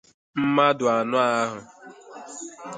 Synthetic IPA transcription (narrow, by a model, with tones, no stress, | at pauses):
m̩˦ma˦dʊ˨a˨nʊ˦a˦ɦʊ˨